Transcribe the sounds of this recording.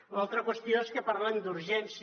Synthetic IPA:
lalˠt̪ɾəkwəst̪ioeskəpaɾland̪uɾʒɛns

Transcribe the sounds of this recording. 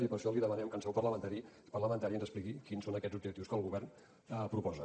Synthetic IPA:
ɾipəɾʃɔliðəmənɛmkənsɛwpərləmənt̪aɾi | pərləmənt̪aɾiənzəsplikikinsonəkɛd̪d͡zzub̚d͡ʒʒəkt̪iwskəlˠɣuβɛrn | əpɾupɔzə

